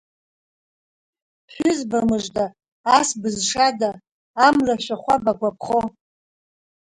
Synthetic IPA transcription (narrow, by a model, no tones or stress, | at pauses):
ħʷᶣʏzbamɨʐdaː | sbɨzʂadaː | mlaʃʷaχʷabakʷapʰχo